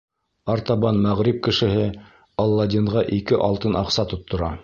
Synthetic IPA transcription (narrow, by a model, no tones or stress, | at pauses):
ɑɾt̪ɑβɑnmæʁɾip̚kɘ̆ʃɘ̆ɦɘ | ɑlˠːɑd̪ʲiɴʁɑʔikɘʔɑlˠt̪ɤnɑqsɑt̪ŏt̪ːŏɾɑ